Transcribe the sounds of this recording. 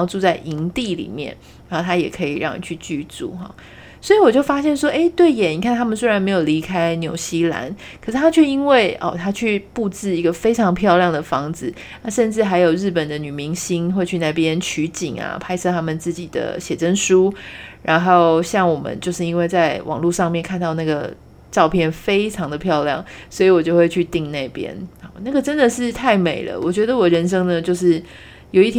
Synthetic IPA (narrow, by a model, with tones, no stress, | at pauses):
ʊt͡su˥˧t͡sa˥˩ɪʔi˧˥ŋt̪i˥˨lḭ˨˩mjɛ̰˥˩n | ɻxo˥˩t̪ʰa˥jɛ˨˩kʰɤ˧˥ḭ˨ɻɑ˥˩ŋnḭ˨˩t͡ɕʰy˥˧t͡ɕy˥˧t͡sṵ˥˩xɔ̰˩ | swɔ˧˥i˧˥wɔ˨˩t͡ɕjo˥˩ʊfa˥ɕjɛ˥˩nʂwɔ˥ʔe˥ɪt̪we˥˩ɪjɛ˨˦ni˨˩kʰa˥˩nt̪ʰa˥mə˨nswe˥ɻa˧˥nme˧˥ɪjo˨˩ʊli˧˥kʰa˥ɪnjo˨˩ʊɕi˥la̰˧˥n | kʰə˨˩ʂ̩ʰ˥˩a˥t͡ɕʰɥɛ˥˩i˥nwe˥˩ɪʔɔ̰˨˩t̪ʰa˥t͡ɕʰy˥˧pu˥˧t͡sɹ̩˥˩i˧˥ɡə˧fe˥ɪʈ͡ʂʰɑ˧˥ŋpʰjɑ˥˧ʊljɑ˥˩ŋd̪ə˩fɑ˧˥ŋd͡zɹ̩˨˩ | na˥˧ʂə˥˧nʈ͡ʂɻ̩˥˩xa˧˥ɪjo˨˩ʊɻɻ̩˥˩pə˨˩nd̪ə˦ny˨˩mi˧˥ŋɕi˥nxwe˥˧ɪt͡ɕʰy˥˧na˥˩pjɛ˦nt͡ɕʰy˧˥t͡ɕi˨˩ŋa̰˩pʰa˥ɪʂʰɤ˥˧t̪ʰa˥mə˨nt͡sɹ̩˥˩t͡ɕi˨˩d̪ə̰˦ɕjɛ˨˩ʈ͡ʂə˥nʂu˥ɻa˧˥nxo˥˩ʊɕjɑ˥˩ŋwɔ˨˩mə̰˨˦nt͡ɕjo˥˧ʊʂɻ̩˥˩i˦˥nwe˥˧ɪt͡sa˥˩ɪwʔɑ̰˨˩ŋlu˥˧ʂɑ˥˧ŋmjɛ˥˧nkʰa˥˧nt̪ɑ˥˧ʊna˥˩ɡə˩ | ʈ͡ʂɑ˥˧ʊpʰjɛ˥˩nfe˥ɪʈ͡ʂʰɑ˧˦˥ŋd̪ə˨pʰjɑ˥˧ʊljɑ̰˥˩ŋswɔ˧˥i˨˧˥wɔ˨˩t͡ɕjo˥˧ʊxwe˥˧ɪt͡ɕʰy˥˧t̪i˥˧ŋna˥˩ɪpjɛ̰˥n˨˩na˥˩ɡə˨˩ʈ͡ʂə˦˥nd̪ə˨ʂɻ̩˥˧t̪ʰa˥˩ɪme˨˩ɪlə̰˦wɔ˨˩t͡ɕɥɛ˧˥d̪ə˧wɔ˨˩ɻə˧˥nʂɤ˥ŋnə˨t͡ɕjo˥˧ʊʂɻ̩˥˩ | jo˨˩ʊi˥˩t̪ʰ